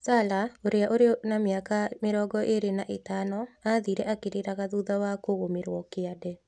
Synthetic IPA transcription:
salaoɾeaʔoɾenameakameɾɔːɡɔʔeɾenaʔetanɔaðiɾɛʔakeɾeɾaɣaðuðawakoɣomeɾwɔkeadɛ

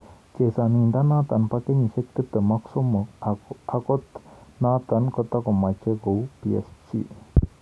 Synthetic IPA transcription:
t͡ʃesanind̪anaːt̪anpakeɲisek̚t̪it̪ːəmaksɔmɔkakɔt̪naːt̪ankɔt̪akɔmat͡ʃeɡowpiḛst͡ʃḭ

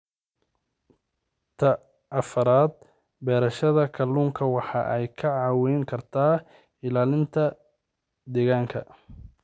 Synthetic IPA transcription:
t̪ʰɐ | ʔɐfɐɾaːd̪̚ | bɛːɾɐʃɐðɐkʰɐluːŋkʰɐwɑħɑ̰ʔɛjkʰɐʕɑːwɛjŋkʰɐrt̪ʰaː | ɪlaːlɪnt̪ʰɐ | d̪ɛɣaːŋkʰɐ̰

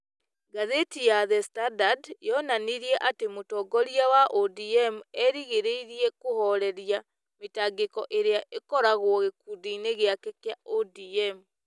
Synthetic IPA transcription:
ɡaðetijaðɛstadadjɔnaniɾiɛʔatemotɔɡɔɾiawaʔodiɛmɛɾiɣeɾeiɾiɛkohɔɾɛɾja | metaːɡekɔʔeɾeaʔekɔɾaɣwɔɣekudineɣeakekjaodiɛm

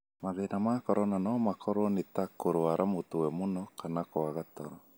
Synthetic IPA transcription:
maðenamakɔɾɔnanɔmakʰɔɾonitakːoɾwaɾamot̪owɛmonɔkanakoaɣat̪ɔɾɔ

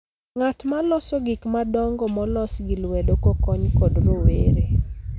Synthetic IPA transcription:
ŋatmalɔsɔɡɪkmadɔŋɡɔmɔlɔsɡɪlwɛdokɔkɔɲkɔdɾoweɾe

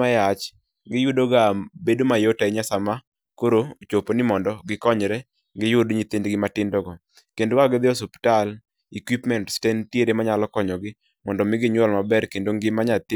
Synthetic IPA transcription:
ajat͡ʃ | ɡɪjʊdoɡabedomajotaiɲasama | koɾot͡ʃoponɪmɔndɔɡɪkɔɲɾɛ | ŋɡɪjʊdɲit̪indɡɪmatɪndɔɡɔ | kendoaɡɪd̪ɪɔs̬optal | ikwipmɛntstentjeɾemaɲalɔkɔɲɔɡɪ | mɔndɔmɪɡɪɲwɔlmabɛɾkendoŋɡɪmaɲat̪ɪ

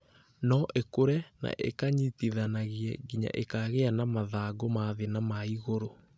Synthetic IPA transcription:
nɔʔekoɾɛna̰ʔḛkaɲitiðanaɣiɛɡiɲa̰ʔekaɣeanamaðaːɡomaðenamaiɣoɾo

